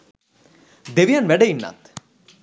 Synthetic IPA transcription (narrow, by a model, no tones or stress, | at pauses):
d̪eʋijanʋɛɖeinːa̰t̪